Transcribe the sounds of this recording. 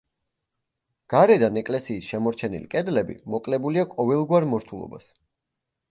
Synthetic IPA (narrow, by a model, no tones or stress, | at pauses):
ɡ̥aɾɛd̪anɛkʼlɛsiːsʃɛmɔɾt͡ʃʰɛnḭlikʼɛd̪lɛbḭmɔkʼlɛbuliaqʼɔvɛlˠɡwaɾmɔɾt̪ʰulˠɔ̰ba̰s